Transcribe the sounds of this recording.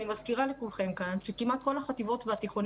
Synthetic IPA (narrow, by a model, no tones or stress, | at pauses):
nimaskiʁalekulχe̞mkanʃekimat̪̚ko̞laχat̪ivo̞t̪veat̪iχon